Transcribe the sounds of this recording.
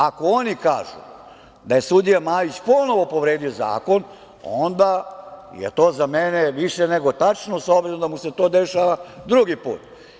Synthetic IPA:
ako̞onikaːʒṵ | d̪aje̞sud̪ijamaːjit͡ɕpo̞no̞ʋo̞po̞ʋɾe̞ːd̪io̞za̰ːko̞n | o̰nd̪ajḛt̪o̞ːzameneʋiʃeneɡo̞t̪at͡ʃnosobɾenod̪amuse̞t̪o̞ːd̪eʃaʋad̪ɾuɡipṵːt̪

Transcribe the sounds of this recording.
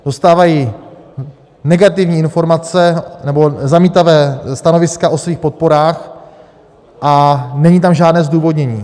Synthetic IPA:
d̥o̞st̪aːvajiː | nɛɡat̪ɪvɲiːɪnfo̞ɾmat͡sɛnɛbo̞zamiːt̪avɛːst̪ano̞vɪskaʔo̞sviːxpo̞t̪̚po̞ɾaːx | ʔanɛɲiːt̪amʒaːdnɛːzduːvo̞dɲɛɲiː

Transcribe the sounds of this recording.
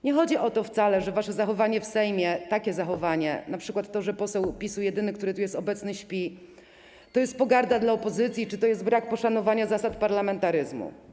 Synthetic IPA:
ɲɛxɔd͡ʑiʔɔt̪ɔft̪salɛʐɛvaʂɛzaxɔvaɲɛfsɛjmʲjɛt̪akʲɛzaxɔvaɲɛ̰napʂɘkwat̪ːɔʐɛpɔsɛwpʲisuwjɛd̪ɘnɘkt̪uɾɘt̪ujɛst̪ɔbɛt̪snɘɕpʲi | t̪ɔjɛst̪̚pɔɡaɾd̪ad̪laɔpɔzɘt̪sʲjit͡ʂɨt̪ɔjɛst̪bɾak̚pɔʂanɔvaɲazasat̪paɾlamɛnt̪aɾɘzmṵ

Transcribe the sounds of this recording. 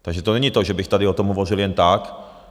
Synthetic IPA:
t̪aɡʒɛt̪onɛɲit̪oʒɛbɪxt̪adɪot̪omɦovorɪljɛnt̪ak

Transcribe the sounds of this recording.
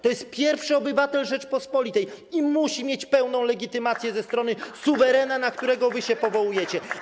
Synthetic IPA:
t̪ɔjɛst̪̚pʲjɛɾfʂɘɔbɘvat̪ɛlʐɛt͡ʂpɔspɔlʲit̪ɛjimuɕimʲjet͡ɕpɛwnɔ̃w̃lɛɡʲit̪ɘmat̪sʲjɛzɛst̪ɾɔn̪ɘsuvɛɾɛnanakt̪uɾɛɡɔvɘɕɛpɔvɔwujɛt͡ɕɛ

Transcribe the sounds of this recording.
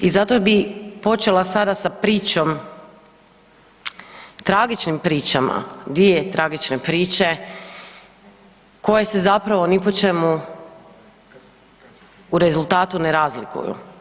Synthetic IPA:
izat̪obipo̞t͡ʃe̞lasad̪asapɾiːt͡ʃom | t̪ɾaɡit͡ʃnimpɾiːt͡ʃama̰d̪iet̪ɾaɡit͡ʃnepɾiːt͡ʃe̞ | ko̞je̞se̞zapɾaʋo̞nipot͡ʃe̞mu | uɾe̞zulˠt̪aːt̪uneɾaːzlikṵjṵ

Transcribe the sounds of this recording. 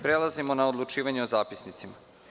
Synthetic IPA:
pɾelˠazimo̞naod̪lˠut͡ʃiːʋaɲeozaːpisnit̪sima

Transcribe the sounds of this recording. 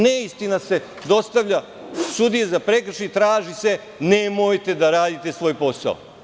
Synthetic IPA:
neist̪inase̞ | d̪o̞st̪aʋʎa | sud̪ijezapɾekr̩ʃit̪ɾaːʒise̞ | nemojt̪e̞d̪aɾaːd̪it̪e̞sʋo̞ːjpo̞sa̰o̰

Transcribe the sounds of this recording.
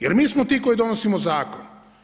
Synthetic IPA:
jeɾmiːsmot̪ikojd̪onosimozaːko̰n

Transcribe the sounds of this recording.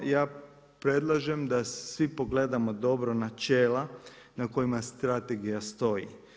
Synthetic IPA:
jaː | pɾe̞d̪lˠaʒemd̪asʋipoɡle̞d̪amo̞d̪o̞bɾo̞nat͡ʃeːla | nako̞jimast̪ɾat̪e̞ɡijast̪o̞jḭ

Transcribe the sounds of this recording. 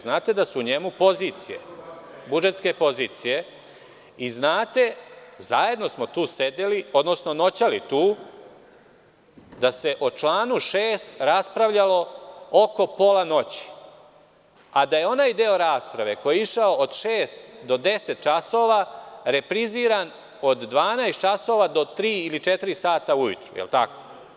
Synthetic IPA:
znaːt̪e̞d̪asuːɲe̞mupo̞ziːt̪sijḛbud͡ʒe̞t̪ske̞po̞ziːt̪sije̞ | iznaːt̪e̞zaje̞d̪no̞smo̞t̪uːse̞d̪elio̞d̪no̞sno̞no̞t͡ɕalit̪uː | d̪ase̞ʔot͡ʃlaːnuʃeːst̪ɾaspɾaʋʎalo̞oko̞po̞lˠano̞t͡ɕi̥ | ad̪ajeo̞naːjd̪eoɾaːspɾaʋe̞ko̞jeiʃaood̪ʃeːst̪d̪o̞d̪eset̪̚t͡ʃaso̞ːʋaɾe̞pɾiziːɾan | od̪ːʋaːnaest̪t͡ʃaso̞ːʋad̪o̞t̪ɾiːilit͡ʃet̪iɾisaːt̪aujṵt̪ɾujḛlˠt̪ako̥

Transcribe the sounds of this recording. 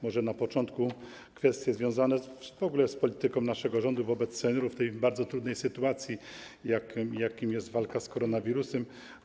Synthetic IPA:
mɔʐɛnapɔt͡ʂɔnt̪ku | kfɛst̪ʲjɛzvʲjɔ̃w̃zanɛvɔɡulɛspɔlʲit̪ɘkɔ̃w̃naʂɛɡɔʐɔnd̪uvɔbɛt̪sːɛɲʲɔɾuft̪ɛjbaɾd̪zɔt̪ɾud̪nɛjsɘt̪uat̪sʲjijakjakʲimjɛst̪valkaskɔɾɔnavʲiɾusɛm

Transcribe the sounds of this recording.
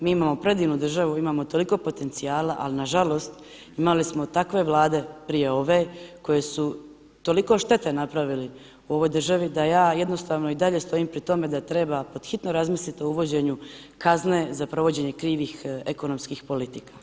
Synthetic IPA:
miːimaːmo̞pɾe̞d̪iːʋnud̪r̩ʒaʋuimaːmo̞t̪o̞liko̞ːpo̞t̪e̞nt̪sijaːlaʔa̰linaʒalo̞ːst̪ | imalismo̞t̪akʋe̞ʋlˠaːd̪e̞pɾiːje̞o̞ʋeko̞je̞su | t̪o̞liko̞ʃt̪e̞t̪enapɾaʋili | uo̞ʋo̞jd̪r̩ʒaʋid̪ajaːje̞d̪no̞st̪aːʋno̞id̪aʎe̞st̪o̞iːmpɾit̪o̞me̞d̪at̪ɾe̞bapo̞d̪̥xit̪no̞ɾazmislit̪iouʋo̞d͡ʑe̞ɲu | kazne̞zapɾo̞ʋo̞d͡ʑe̞ɲe̞kɾiːʋixeko̞no̞mskixpo̞lit̪ikḁ

